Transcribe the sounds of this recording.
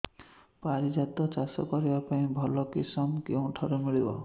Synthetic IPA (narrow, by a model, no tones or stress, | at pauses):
paɾid͡ʒat̪ɔt͡ʃasɔ̰kɔɾibapaĩbʱɔlɔkisɔmkewũʈʰɔɾumiɭibɔ̰